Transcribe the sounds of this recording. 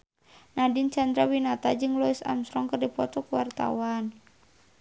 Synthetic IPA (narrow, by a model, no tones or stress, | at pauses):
nadɪnt͡ʃand̪ɾawinat̪ad͡ʒɨŋlɔisa̰msɾɔŋkərdipɔt̪ɔkuwart̪a̰wan